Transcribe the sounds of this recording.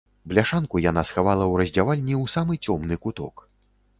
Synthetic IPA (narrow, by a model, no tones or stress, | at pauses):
blʲaʂankujanasxavalˠɐwɾɐzʲd͡zʲavalʲnʲiwsamɨt͡sʲɔmnɨkut̪ɔ̰k